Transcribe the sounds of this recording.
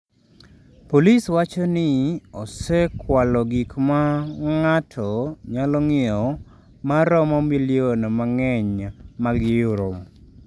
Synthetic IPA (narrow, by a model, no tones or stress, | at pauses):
poliswat͡ʃɔnɪɔsɛkwalɔɡikmaŋatʰɔɲalɔŋɪɔ | maɾɔmɔmilɪonmaŋɛɲmaɡɪjʊɾom